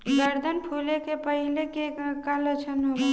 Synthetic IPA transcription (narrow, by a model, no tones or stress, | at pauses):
ɡəɾd̪ʱənpʰulekepəɦilekekalət͡ʃʰənob